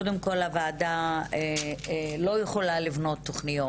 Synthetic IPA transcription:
odemko̞lavaːdae | lo̞jeχolalivno̞t̪ːo̞χnijo

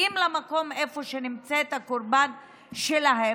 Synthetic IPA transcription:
imlamako̞mefoʃenimt͡set̪akoɾban | ʃelaɦe

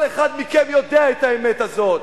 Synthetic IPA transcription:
leχad̪mikenjo̞d̪eaet̪aemetazo̞t̪

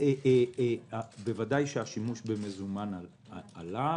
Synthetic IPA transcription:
e | abevadajʃeaʃimuʃbeme̞zumana | ala

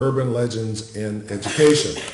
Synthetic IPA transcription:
ɜ˞bɨ̃nlɛd͡ʒɨ̃ndzɪ̃nɛd͡ʒɨkʰeɪʃɨ̰̃n

